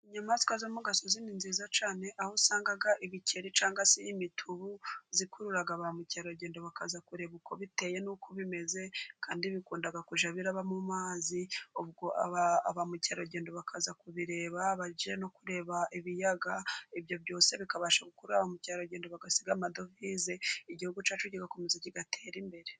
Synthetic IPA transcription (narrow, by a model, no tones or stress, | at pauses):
ɲamazi̥kazamuɡasozininziːzat͡ʃaːne̞ʔahosaːŋɡaɡaʔiβice̞ɾit͡ʃaːŋɡaseimitʰuβuzikuɾuɾaɡaβamucaɾo̞ɟeːndoβakazakuɾe̞βukʰoβite̞je̞nukʰoβime̞ze̞kaːndiβikuːndaɡakuʒaβiɾaβamumaːzioβɡo̞ʔa̰βaːβamucaɾoɟeːndoβakʰazakuβiɾe̞ːβaβaɟieno̞kuɾe̞ːβaʔiβijaɡaiβjo̞βjo̞ːse̞βikaβaʃaɡukuɾuɾaβamucaɾoɾɟeːndoβaɡasiɡamado̞vizeiɟihuɡut͡ʃaːt͡ʃuɟiɡakumuzeciɡatʰe̞ːɾimbe̞ɾe̞